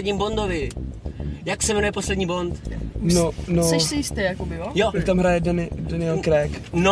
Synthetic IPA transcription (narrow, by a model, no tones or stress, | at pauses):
dɲiːmbo̞nd̪ovɪ | jaksɛvɛnujɛpo̞slɛdɲiːbo̞nt̪nonosɛʃsɛjɪst̪ɛjakobɪjojojakt̪amɦɾajɛdanɪdanɪɛlkɾɛkno